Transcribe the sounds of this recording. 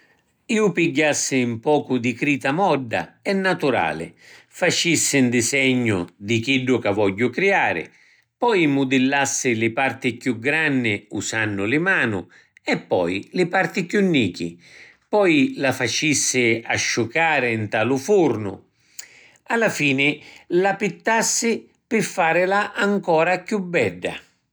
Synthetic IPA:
iːʊpiɟːasːɪːmpɔːkʊd̪ikɾiːt̪amɔɖːa̰ɛnːat̪uɾa̰ːlɪ̰ | fat͡ʃisːɪnd̪ɪsɛɲːʊd̪ik̟iɖːʊkavɔʎːʊkɾiaːɾɪ̰ | pɔjmʊd̪ɪlːasːɪlɪpart̪ɪkjuɡɾanːɪusanːʊlɪmaːnʊ | ɛpːɔ̰jlɪpart̪ɪkjunːiːkḭ | pɔjlafat͡ʃisːɪaʃːʊkaːɾɪnt̪aːlʊfurnʊ̰ | alːafiːnɪlapit̪ːasːɪ | pɪfːaːɾɪlaʔaŋkɔːɾakjubːɛɖːa̰

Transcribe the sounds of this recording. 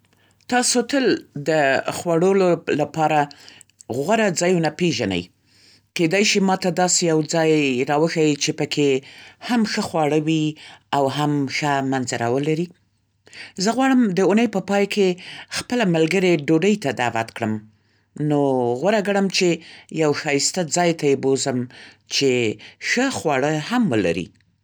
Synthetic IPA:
t̪ɑsot̪əld̪əxwaɽololapɑɾa | ɣwaɾad͡zɑjunapeʒanə̰j | ked̪ajʃimɑt̪ad̪ɑsejawd͡zɑjɾɑwəxawit͡ʃepəkʰehamxəxwɑɽəwiawɦamxəmanzaɾɑwəlaɾi | zəɣwɑɽəmd̪əʊnəjpəpɑjkexpəlamalɡəɾeɖoɖəjt̪ad̪awat̪kɽəm | noɣwaɾaɡaɽəmt͡ʃejawxɑjst̪ad͡zɑjt̪ajebozəm | t͡ʃexəxwɑɽəhamwəla̰ɾḭ

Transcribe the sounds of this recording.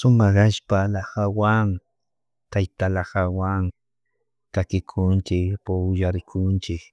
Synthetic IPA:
sʊmɑhaʃpalahawaŋ | t̪ajt̪alaxawaŋ | k̪akɪkʰʊnt͡ʃɪkpʊʊjaɾɪkʰʊnt͡ʃɪk

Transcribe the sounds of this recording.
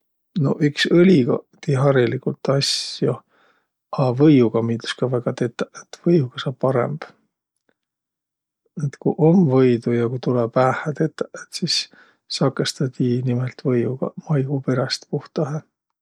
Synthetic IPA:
no̞̰ʔykselʲiɡ̥ɑ̰t̪iɦɑɾilikult̪ːɑsjo | ɑvɤjuɡ̥ɑmiːt̪u̥skɑvæɡ̥ɑt̪e̞t̪ːˑɑʔet̪ːvɤjuɡ̥ɑsɑbpːɑɾḛmb̥ | et̪kṵʔo̞mvɤjd̪ujɑkut̪ulɛpæːhæt̪e̞t̪ːˑɑʔet̪sis | sɑkːˑe̞st̪ɑt̪ʲinimelt̪vɤjuɡ̥ɑ̰mɑjɡupe̞ɾɑst̪puht̪ɑɦe

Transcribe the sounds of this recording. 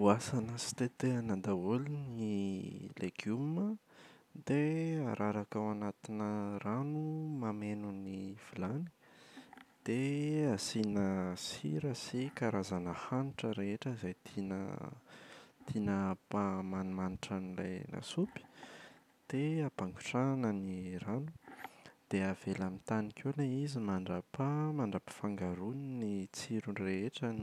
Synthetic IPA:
uasanəsi̥t̪et̪eanad̪aulinileɡumə | d̪eaɾʔaɾakawanat̪inəranumamenuniv̥ilani̥ | d̪̥easinəsḭɾəsikaɾazanəhaniʈ͡ʂəɾeeʈ͡ʂəizajt̪ʰinə̰ | t̪ʰinəpamanumaniʈ͡ʂanila̰jnʔa̰supi̥ | d̪̥eapaŋɡu̥ʈ͡ʂanəniranud̪̥eav̥elamint̪anikewleizimaɳɖ͡ʐapamaɳɖ͡ʐapi̥faŋɡaɾuninit͡siɾunreeʈ͡ʂən

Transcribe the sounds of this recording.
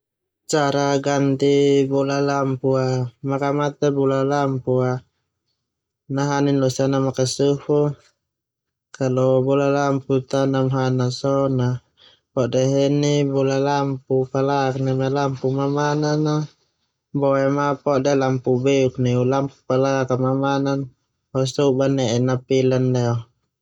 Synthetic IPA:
t͡ʃaɾaɡant̪ibɔlalampuamakamat̪ɛbɔlalampua | naɦaninlɔsanamakasufu | kalɔbɔlalamput̪anamɦanasɔna | pɔʔdɛɦɛnibulalampupalaaknɛmalampumamanana | bɔɛmapɔʔdɛlampubɛuk̚niulampu̥palakamamanan | pɔsubanɛʔɛnapilanlɛɔ

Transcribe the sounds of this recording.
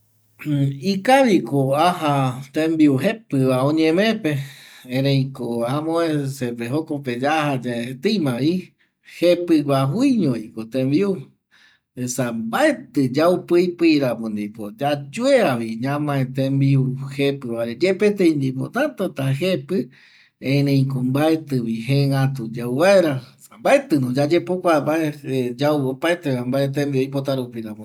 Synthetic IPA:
ikaβikoaɦat̪ẽmbiuɦepɨβaõɲẽmẽpeẽɾejkoamõesepeɦokoped͡ʒahad͡ʒet̪ɨjmãβi | hepɨwaɦwiɲõikot̪embiu | esambaet̪ɨd͡ʒaupɨjpɨiɾapũnd̪ipod͡ʒad͡ʒueaβiɲãmãẽt̪ẽmbiuhepɨβaɾed͡ʒepet̪̬ej̃nd̪ipo̰t̪at̪ot̪aɦepɨ | ẽnẽĩkombaet̪ɨβiɦeŋat̪ud͡ʒawβaeɾasambaet̪ɨnõd͡ʒad͡ʒepokʷabaed͡ʒawopaet̪eambaet̪̬embiojpot̪aɾupiɾapũ

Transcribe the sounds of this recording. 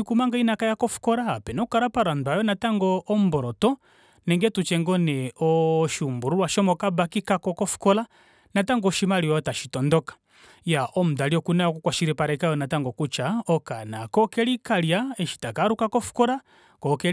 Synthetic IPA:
ikumaŋɡainakajakɔfu̥kɔɾaːpɛnɔukaɾapaɾandajɔnataŋɡɔːm̩bɔɾɔtɔ | nɛŋɡɛtut͡ʃɛŋɡɔnɛɔʃumbuɾuwaʃɔmɔkabakikakɔkɔfu̥kɔla | nataŋɡɔʃimaɾiwɔtaʃitɔndɔkḁ | jaʔɔm̩daliɔkunaɔkɔkwaʃiɾɛpaɾɛkajɔnataŋɡɔkut͡ʃaɔkanakɔkɛlikaljaɛʃi̥takaɾukakɔfu̥kɔɾa | kɔkɛ

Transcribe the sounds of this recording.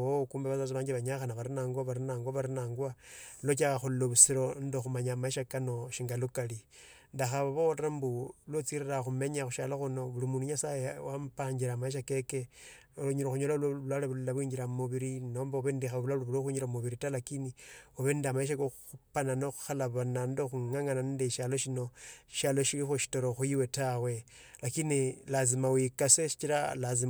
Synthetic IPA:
okuːmbeβat͡sat͡siβaːɲɡiβaɲaxanaβaɾinaːŋɡwaβaɾinaːŋɡwaβaɾinaːŋɡwalot͡ʃ̬akaxulloβusiɾondoxumaɲamaiʃakano̞ʃiŋɡalukali | ndaxaβaβootɾambulot͡siɾiraxume̞ɲaxuʃaloxuno̞βulimuːnduɲasajewampaːɲd͡ʒiɾamaiʃ̬akeke | oloɲiɾoxuɲolallwalaβullaβwiːɲd͡ʒiɾamuβiɾino̞ːmbaoβendixaββulalβuloxiɲiɾamuβiɾitalakinioβendamaeʃ̬akoxupananoxu̥xalaβanandoxuŋaŋananindeʃalo̞ʃino̞iʃalo̞ʃilixuʃi̥toɾoxuiwe̞tawe̞lakinilazimawikaseʃi̥t͡ʃiɾalazi

